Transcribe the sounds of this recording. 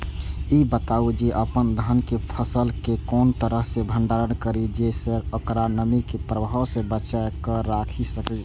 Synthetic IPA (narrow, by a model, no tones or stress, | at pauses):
ibət̪aud͡ʒeʔəpənd̪ʱənkepʰəsəlkekont̪əɾəɦsẽbʱəɳɖaɾənkəɾid͡ʒesəokɾanəmikepɾəbaɦosẽbət͡ʃakəɾakʰisəkə